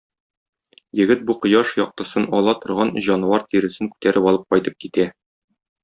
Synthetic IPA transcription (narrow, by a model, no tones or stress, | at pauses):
jɘ̆ɡɘt̪̚buqŏjɑʃjɒq̚t̪ɤ̆sɤnɒlˠɑt̪ŏɾʁɑnʑɒn̆wɑɾt̪iɾɘ̆sɘŋkʉ̥t̪æɾɘpɒlˠɤp̚qɒjt̪ɤp̚kit̪æ